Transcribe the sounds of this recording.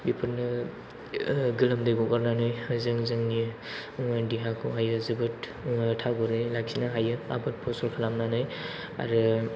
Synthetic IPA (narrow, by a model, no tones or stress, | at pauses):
bipʰɯɾnɯ | ɡɯlɐmdɯjɡɔkaɾnanɯjzɯŋzɯŋni | ŋadiɦakʰuɦajɯzɯbɯt | ŋtʰaɡɔɾɯjlak̚sinaɦajɯa̰bɯt̚pʰɔsɔɾkʰalamnanɯj | a̰ɾɯ